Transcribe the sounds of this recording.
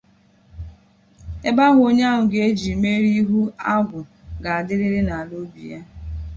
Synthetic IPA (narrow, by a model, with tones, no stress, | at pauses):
e˦ba˦ɣʊ˦o˦ɲ˦a˦ɦʊ˨ɡe˨e˦d͡ʒi˨me˦ɾi˦ɦu˦a˦ɡʊ˨ | ɡa˨a˨dɪ˦ɾɪ˦ɾɪ˦na˨a˨lo˦bḭ˨ja˦